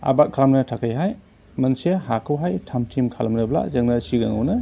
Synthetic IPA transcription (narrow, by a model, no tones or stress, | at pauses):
a̰bak̚kʰalamnɐtʰakʰajɦaj | mɐnsehakʰɯwɦajtʰamtʰimkʰalmnɐbla̰zɐŋnɐsiɡɐŋa̰wnɐ